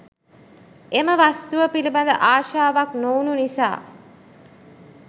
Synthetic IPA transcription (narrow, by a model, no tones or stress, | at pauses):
eməʋast̪uʋəpilibad̪əʔaːʃaːʋaknoːnunisa̰ː